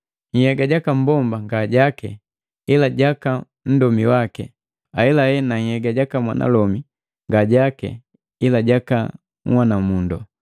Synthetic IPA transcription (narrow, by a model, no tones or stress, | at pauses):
ŋ̩hɛɡaɟakam̩bɔmbaŋɡaɟakɛ̰ | ilaɟaka | m̩dɔmiwakɛ | aɛlahɛnaŋ̩hɛɡaɟakamwa̰nʔa̰lɔmi | ŋɡaɟakɛ̰ | ilaɟaka | ŋ̩wanamundɔ